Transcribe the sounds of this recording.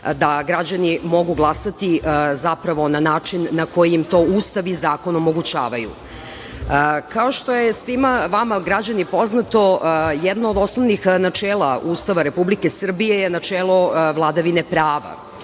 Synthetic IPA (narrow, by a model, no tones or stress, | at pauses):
d̪aɡɾad͡ʑanimo̞ɡuɡlˠasat̪iʔzapɾaʋo̞nanaːt͡ʂinːako̞jiimt̪o̞ːuːst̪aʋizaːko̞no̞mo̞ɡut͡ɕa̰ːʋajṵ | kaoʃt̪o̞jesʋimaʋamaɡɾad͡ʑanipo̞znat̪o̞jɛd̪naod̪o̞sno̞ʋnixnat͡ʂeːlˠauːst̪aʋaɾe̞publike̞sr̩bije̞jenat͡ʂeːlo̞ʋlˠad̪aʋine̞pɾaːʋa̰